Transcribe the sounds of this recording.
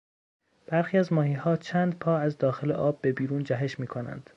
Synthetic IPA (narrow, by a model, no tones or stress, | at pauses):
b̥æɾxiːæzmɒːhiːhɒːt͡ʃʰæːnd̪pʰɒːæzd̪ɒːxe̞leʔɒːbːe̞biːɾuːnd͡ʒæɦe̞ʃmiːkʰo̞næ̰nd̪̥